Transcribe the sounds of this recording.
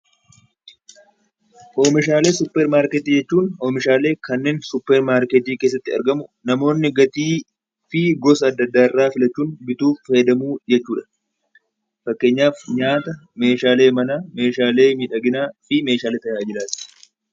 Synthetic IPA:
ʔo̞ːmɪʃ̬aːle̞ːsʊpːɛɾmaːɾkɛt̪iːd͡ʒɛt͡ʃːuːnoːmɪʃaːle̞ːkɐnːe̞ːnsʊpːɛɾmaːɾkɛt̪iːke̞ːsːɐt̪ːɪɐ̰ɾɡɐmʊnɐmo̞ːnːɪɡɐt̪iː | fɪɡɔsɐɐd̪ːɐd̪ːaːɪrːaːfɪlɐt͡ʃːuːnbɪt̪uːfːɐjd̪ɐmuːd͡ʒɛt͡ʃːuːᶑɐ̥ | fɐkːe̞ːɲːaːfɲaːt̪ɐme̞ːʃaːle̞ːmɐnaːme̞ːʃaːle̞ːmiːᶑɐɡɪnaːfɪme̞ːʃaːleːt̪ɐjd͡ʒɪɾaːsɪ̥

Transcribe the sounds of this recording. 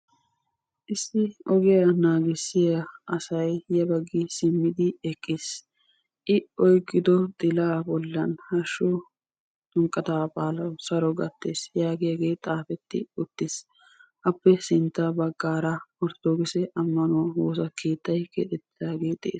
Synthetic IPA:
ʔɪsːɪɔɡɛjɐnaːɡɪsːɪjɐʔɐsɐjjɐbɐɡːɪsɪmːɪd̪ɪɛkʼːeːs | ʔɪɔjkʼːɪd̪ɔt̪ʼɪlaːbɔlːɐnhɐʃːɔ | t̪ʊŋkʼːɐt̪apʼaːlɐwsɐɾɔɡɐt̪ːeːsjaːɡɛjɐɡe̞ːt̪ʼaːfɛt̪ːɪ̰ʊt̪ːɪs | ʔɐpːɛsɪnt̪ːɐbɐɡːaːɾɐɔɾt̪oːɡɪsɛʔɐmːɐnɔwoːsɐkʰe̞ːt̪ːɐjkɛ̰t̪ʼɛt̪ːɪd̪aːɡeːt̪ʼḛːs

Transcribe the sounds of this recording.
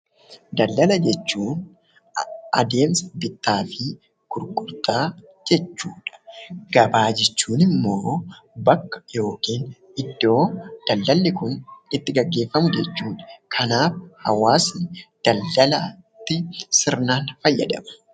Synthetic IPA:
d̪ɐlːɐlɐd͡ʒɛt͡ʃːuːn | ɐ̰d̪e̞ːmsɐ̥bɪt̪ːaːfɪ | ɡ̥ʊɾkʼʊɾt̪aː | d͡ʒɛt͡ʃːuːᶑɐ̥ɡ̥ɐbaːd͡ʒɪt͡ʃːuːnɪmːo̞ːbɐkːɐ̥jo̞ːkiːn | ɪd̪ːo̞ːd̪̥ɐlːɐlːɪkʊnɪt̪ːɪɡɐɡːe̞ːfːɐmʊd͡ʒɛt͡ʃːuːᶑɐ̥kʰɐnaːfhɐ̰waːsd̪̥ɐlːɐlɐt̪ːɪsɪɾnaːnfɐjːɐ̰d̪ɐ̰mɐ̥

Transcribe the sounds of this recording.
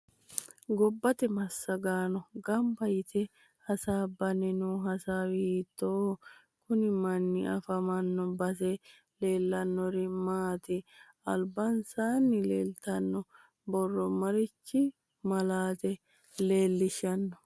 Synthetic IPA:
ɡɔbːɐt̪ɛmɐsːɐɡaːnɔɡɐmbɐjɪt̪ɛ | hɐsaːbːɐnɛnuːɦɐsaːwɪiːt̪ːoː | kʊnɪmɐnːɪʔɐfɐmɐnːɔbɐs̬ɛ | le̞ːlːɐnːɔɾɪmaːt̪ɪ | ɐ̰lbɐnsaːnːɪleːlt̪ɐnːɔ | bɔrːɔmɐɾɪt͡ʃːɪ | mɐlaːt̪ɛ | le̞ːlːɪʃɐnːɔ

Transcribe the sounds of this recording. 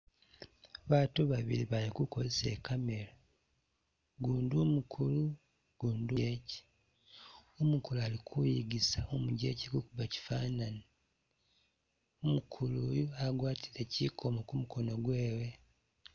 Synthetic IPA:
βaːtuβaβḭɾiβalikuko̞zese̞̰ːkame̞ɾa | ɡuːnduːmukʰulu | ɡ̥uːndueci̥ | omukulualikʰujiɡisaomuɟeciɡukuβaci̥fanani | omukʰulujaɡwaːtʰiɾecikʰomokumuko̞no̞ɡwe̞ːwe

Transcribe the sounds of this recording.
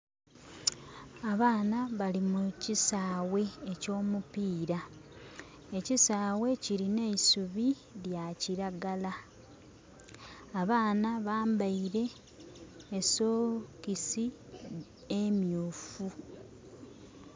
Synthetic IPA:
aβaːnaβalimucisaːwe̞eco̞ːmupiːɾa | e̞cisaːwe̞ciɾine̞isuβi | ljaciɾaɡala | βaːnaβaːmbaiɾe̞ː | soːkisi | emjuːfu

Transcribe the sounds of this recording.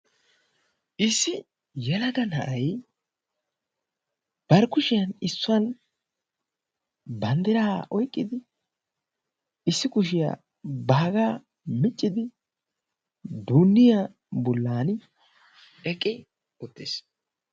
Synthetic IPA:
ʔɪsːɪ | jɛlɐɡɐnɐʔɐj | b̥ɐɾkʊʃɪjɐnɪsːʊɐn | bɐnd̪ɪɾaːʔɔjkʼːɪd̪ɪ | ɪsːɪkʊʃ̬ɪja̰ | bɐɡaː | mɪt͡ʃʼːɪd̪ɪ | d̪uːnːɪja | bɔlːaːn | ɛkʼːɪ | ʊt̪ːeːs

